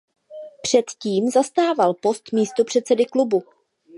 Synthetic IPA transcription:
pr̝̥ɛt̪ciːmzast̪aːvalpo̞st̪miːst̪o̞pr̥ɛt̪t͡sɛdɪklubu

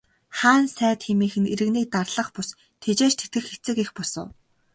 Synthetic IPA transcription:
χaːnsæːt̪xemiːxɘ̆neɾɘ̆ɣniːk̚t̪arɮə̆χpʊs | t̪ʰet͡ɕeːt͡ɕt̪ʰe̥t̪ɡɘ̆xet͡sɘ̆kexpɔsə̰̆w

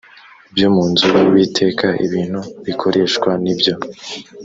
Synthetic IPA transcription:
ibjo̞muːnzuɾuwiːtʰe̞ːkaḭβiːn̥huβikʰo̞ɾʔe̞ːʃkwanibjo̞

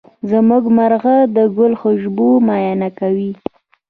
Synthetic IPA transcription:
zəmuɡmaɾɣad̪əɡʊlxəʒbumɑjanakawi

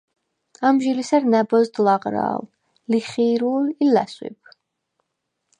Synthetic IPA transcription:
amʒilisaɾnabɔzd̪lˠaqʼɾa̰ːl | liχiɾulilæswḭb

